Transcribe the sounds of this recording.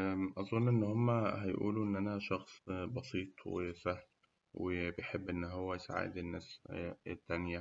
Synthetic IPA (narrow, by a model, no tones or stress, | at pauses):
ʔɑzˤonːʔenːhomːæhæjʔṵːluʔenːʔænæʃɑxsˤbɑsˤiːt̪ˤwḛsæhn | wʔebejħebːʔenːɦowːæjsa̰ʕa̰d̪enːæːset̪ːænjæ